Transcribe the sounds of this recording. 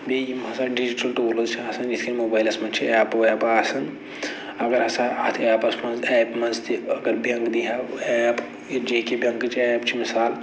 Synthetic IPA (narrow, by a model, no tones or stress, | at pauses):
bejimɐsaɖid͡ʒiʈɐlʈoːlɐzt͡ʃʰiaːsɐnd͡ʒit̪ʰkinmoːbaːjlɐsmɐnt͡ʃʰiɛːpʋjapaːsɐn | ɐɡəɾɐsaɐt̪ʰaːpɐsmɐnzɛːpmɐnzt̪ʰiɐɡəɾbiɐ̃ŋɡd̪iɦaɛːp | d͡ʒeɦkebʱɐ̃ŋɡt͡ʃʰiɛːpt͡ʃʰimisaːl